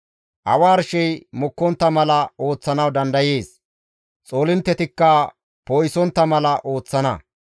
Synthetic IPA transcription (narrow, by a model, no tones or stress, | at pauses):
ʔɐ̰waːɾʃɛjmɔkːɔnt̪ːɐmɐlɐo̞ːt͡sːɐnɐwd̪ɐnd̪ɐje̞ːs | t͡sʼo̞ːlɪnt̪ːɛt̪ɪkːɐ | poːjsɔnt̪ːɐmɐlɐʔo̞ːt͡sːɐnɐ